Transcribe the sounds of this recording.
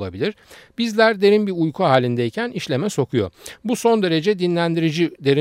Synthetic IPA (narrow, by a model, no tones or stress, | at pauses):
lˠabilʲiɾ̥bizlʲæɾd̪e̞ɾinbiujkʰuɦaːlʲind̪ɛjicʰæniʃlʲe̞mɛso̞kʰujo̞̰buso̞nd̪e̞ɾe̞d͡ʒɛd̪inlʲænd̪iɾid͡ʒid̪e̞ɾi